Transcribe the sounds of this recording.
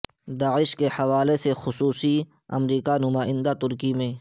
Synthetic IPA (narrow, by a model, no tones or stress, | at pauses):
d̪aːɪʃkehɐwaːlesexʊsuːsi | ɐ̰mɾiːkanʊmaːɪ̃nd̪at̪ʊɾkimẽ